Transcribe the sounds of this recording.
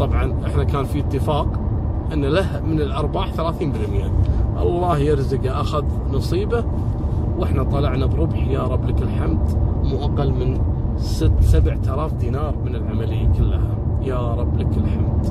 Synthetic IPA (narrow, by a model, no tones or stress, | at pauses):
t̪ˤɑbʕɑnʔɪħnakaːnfit̪ːɪfɑːq | ʔɪnːalahmɪnɪlʔɑɾˤbaːħθalaːθiːmbɪlmɪjːaʔɑ̰lˤːɑːhjɪɾzɪɡaʔaxað | nɑsˤiːba | wʔɪħnat̪ˤɑlɑʕnabɾʊbħjaɾˤɑbːlakɪlħamd̪mʊʔaqːɑlmɪn | sɪt̪ːsabʕt̪alaːfd̪iːnɑːɾˤmɪnɪlʕamalɪjːa̰kɪlːa̰hajaɾˤɑbːlakɪlħamd̪